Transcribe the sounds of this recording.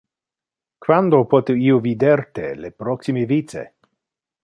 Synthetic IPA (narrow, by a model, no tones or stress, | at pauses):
kvand̪opot̪eiovid̪eɾt̪elepɾoksimevitt͡sḛ